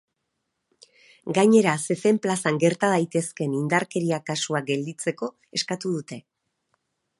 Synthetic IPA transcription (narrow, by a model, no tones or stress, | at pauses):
ɡaɲe̞ɾase̞fe̞mplasaŋɡe̞ɾt̪að̞ajt̪e̞ske̞nind̪aɾke̞ɾiakasuak̚ɡe̞ld̪it͡se̞ko̞ | e̞skat̪uðut̪e̞